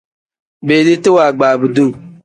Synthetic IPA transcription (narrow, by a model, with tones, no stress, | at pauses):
beː˨li˦tɪ˦waː˨ɡ͡baː˨bu˨du˦ŋ˨